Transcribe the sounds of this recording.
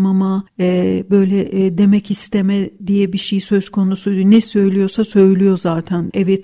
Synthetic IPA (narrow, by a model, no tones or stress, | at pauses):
mamaɛbø̞jlʲɛʔd̪e̞mɛcist̪ʰemɛd̪ijɛbiʃejsø̞z̥kʰo̞nusunɛsø̞jlʲijo̞ɾsasø̞jlʲijo̞zaːt̪ʰænɛvɛt̪̚